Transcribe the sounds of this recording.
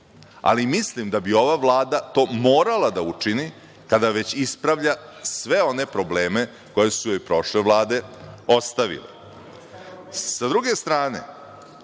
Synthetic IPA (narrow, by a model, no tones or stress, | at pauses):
a̰limislimd̪abio̞ʋaʋlˠaːd̪at̪o̞ːmo̞ːɾalad̪aut͡ʂini | kad̪aʋe̞t͡ɕispɾaʋʎasʋe̞o̞ne̞pɾo̞ble̞ːme̞ | ko̞je̞sujoipɾo̞ʃleʋlˠaːd̪e̞o̞st̪aʋḭlḛ | sad̪ɾuɡe̞st̪ɾaːnḛ